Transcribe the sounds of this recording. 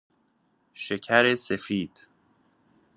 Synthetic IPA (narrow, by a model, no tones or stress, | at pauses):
ʃecʰæɾesefiːd̪̥